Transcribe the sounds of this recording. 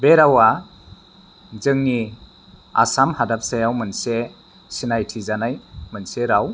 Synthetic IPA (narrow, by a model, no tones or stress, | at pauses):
beɾawa | zɯŋni | a̰samhadap̚sajawmɯnse | sinajtʰizanajmɯnseɾaw